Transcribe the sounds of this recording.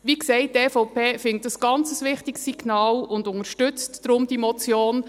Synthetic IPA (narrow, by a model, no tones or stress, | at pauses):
ʋiksɛɪt̚dɛfɔʊpʰeːfɪŋtdɑsɡ̥ɑnt͡səsʋɪχtɪksːiɡ̥nɑːlʊndʊŋəɾʃtʏt͡stːɾʊmd̥̪imɔt͡sjoːn